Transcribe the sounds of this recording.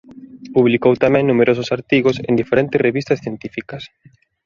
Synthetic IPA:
puβlikowt̪amɛ̃ŋnumeɾos̬ʊsaɾt̪iɣosḛnd̪ifeɾɛ̃nt̪ɪsreβist̪ɐsθjent̪ifikɐs

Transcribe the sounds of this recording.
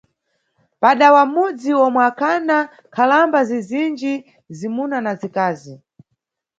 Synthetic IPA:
paɗawamud͡ziwɔmwɛakʰana | kʰalambazizind͡ʒi | zimunanazikaːzi

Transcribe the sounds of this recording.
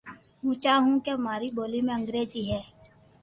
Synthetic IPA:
mũːt͡ʃaːɦũkeɦəmaːɾiːboːlimẽə̃ŋɡɾeːziːɦɛː

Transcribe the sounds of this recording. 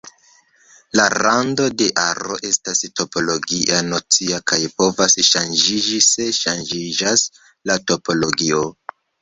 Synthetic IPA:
laɾando̞de̞ʔaɾoʔe̞stasto̞po̞lo̞ɡiʔanot͡siakajpo̞vasʃand͡ʒid͡ʒise̞ʃand͡ʒid͡ʒas | lato̞po̞lo̞ɡio

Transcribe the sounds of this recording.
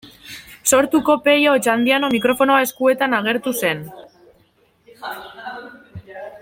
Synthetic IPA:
so̞ɾt̪uko̞pe̞jot͡ʃand̪iano̞mikɾo̞fo̞noae̞skue̞t̪anaɣ̞e̞ɾt̪use̞n

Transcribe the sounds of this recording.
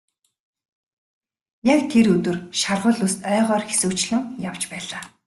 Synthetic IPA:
jakt̪ʰeɾɵt̪ɵ̆rʃarʁʊːɮʊst̪œːʁœːrxe̥suːkt͡ɕɮɘ̆ŋjaw̥t͡ɕpæːɮaː

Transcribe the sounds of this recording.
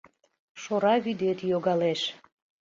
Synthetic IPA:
ʃoɾɑβyd̪et̪joɣɑleʃ

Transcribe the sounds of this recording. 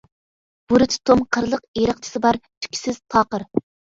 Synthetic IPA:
b̥uɾɨt̪ʰt̪ʰomqʰəɾlˠəqeɾəq̚t͡ʃʰɪ̥sɨbɑɾt̪ʰy̥kʲʰi̥sɪz̥t̪ʰɑːqəɾ

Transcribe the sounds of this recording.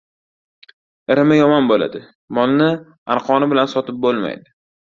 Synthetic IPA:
ɪɾɪmɪjɒmɒnbola̰d̪ɪ | mɒlˠnɪ | anqʰɒnɪbɪlansɒt̪ʰɪp̚bolˠma̰jd̪ɪ

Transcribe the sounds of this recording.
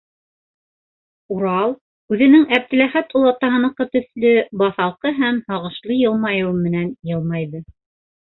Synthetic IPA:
uɾɑlˠ | ʉðɘ̆nɘŋæp̚t̪ɘ̆læχæt̪olˠɑt̪ːɑɦɤ̆nɤ̆qːɤt̪ɵ̆θlɵbɑθɑlˠqɤɦæmhɑʁɤ̆ʃlˠɤjɤlˠmɑjɤ̆wmɘ̆nænjɤlˠmɑjðɤ

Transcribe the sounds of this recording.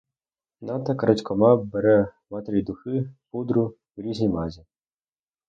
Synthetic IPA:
nɑt̪ɐkɾɐtʲkɔmɑbɛɾɛmat̪eɾʲid̪ʊxɪpud̪ɾʊ | wɾʲizʲnʲijmazʲi

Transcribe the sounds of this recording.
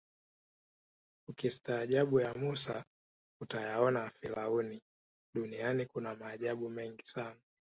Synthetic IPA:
ukistaːʄaɓujamusa̰ | utajaɔnafilauni | ɗunianikunamaːʄaɓumɛŋɡisana

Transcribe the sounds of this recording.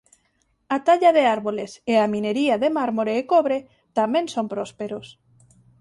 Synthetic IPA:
at̪aʎaðeaɾβoleseamĩneɾiaðemaɾmoɾeːkoβɾe | t̪amẽnsompɾospeɾos

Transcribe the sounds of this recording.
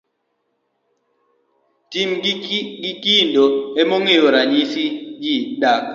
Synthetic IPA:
timɡikindɔemoŋeoɾaɲisid͡ʒiɗak

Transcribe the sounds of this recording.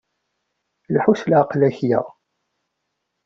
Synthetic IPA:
lħuslʕqlæçjə̰ʁ

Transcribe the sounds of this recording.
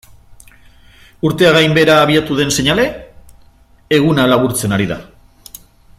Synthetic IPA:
uɾt̪e̞aɣajmbe̞ɾaːβ̞iat̪uðe̞nse̞ɲale̞ | ɣunalaβ̞uɾt͡se̞naɾiða̰

